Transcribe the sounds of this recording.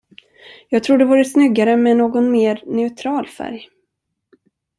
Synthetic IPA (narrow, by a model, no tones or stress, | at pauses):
jɑːɡ̚t̪ʰɾuːɖɛvuːɾəsnʏɡːaɾəmɛnoːɡɔnmeːɾnɛʉt̪ʰɾɑːlfæ̰ɾj